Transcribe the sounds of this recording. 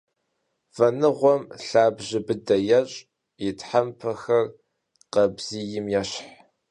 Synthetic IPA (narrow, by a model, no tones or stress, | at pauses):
fɐnɨʁʷɔmɬaːbʑɪbɨdɐjɐɕʼ | jɪtħampʰɐxɐr | qɐbz̥ijɪmjɛɕħ